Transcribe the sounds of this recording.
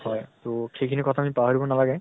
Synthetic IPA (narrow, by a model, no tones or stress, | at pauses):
hɔjt̪oxejkʰinikɔt̪ʰaːmipaɦaɹibɔnalaɡɛ